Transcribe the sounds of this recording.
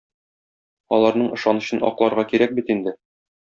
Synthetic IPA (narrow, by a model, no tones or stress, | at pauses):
ɒlˠɑɾnɤɴɤ̆ʃɑnɤ̆ɕɤnɒ̰qlˠɑɾʁɑkiɾæk̚bit̪ind̪ɘ